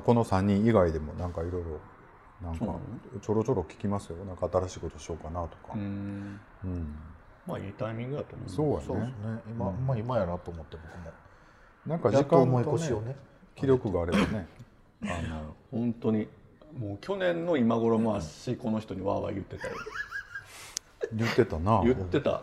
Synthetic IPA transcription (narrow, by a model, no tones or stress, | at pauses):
ko̞no̞sãɲ̟ːĩɰ̃iɡaid̪e̞mo̞nãŋkaiɾo̞iɾo̞ | nãŋka̰t͡ɕo̞ɾo̞t͡ɕo̞ɾo̞kʲi̥kʲimasɨjo̞nãŋkaːt̪aɾaɕiːkot̪o̞ɕio̞ːkanat̪o̥ka̰ɯ̃ | ɯ̟̃ɴ | maḭt̪aimʲĩŋɡɯd̪at̪o̰ːmo̰so̞ːja̰soneneimamaimajaɾat̪ːoːmot̪ːebokɯ̟no | nãŋkaikãoononekʲiɾʲjo̞kɯ̟ɡaːɾe̞bane̞ | anohõ̞nt̪o̞ɲ̟i | moːkʲo̞nẽ̞nːo̞imaɡo̞ɾo̞moaɕiiko̞no̞çi̥t̪o̞ɲ̟iβa̰βa̰jɯ̟t̪ːe̞t̪a̰jo̰n | jɯt̪ːe̞t̪anajɯt̪ːe̞t̪a̰